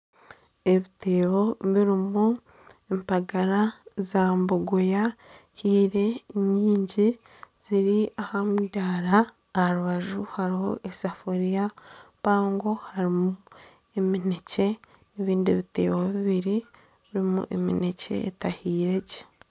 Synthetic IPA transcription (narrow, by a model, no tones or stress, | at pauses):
e̞βite̞ːwo̞βiɾimu | empaɡaɾazaːmboɡojahiːɾe̞ɲiːɲɟi | z̥iɾiahamudaːɾaː | ɾuβaʒuhaɾiho̞̰ʔesafoɾijapaːŋɡo̞haɾimu | e̞minece̞ː | βiːndiβite̞̰ːwoβiβiɾi | βiɾimṵʔḛmḭnece̞̰ːtahiːɾe̞ɟe̥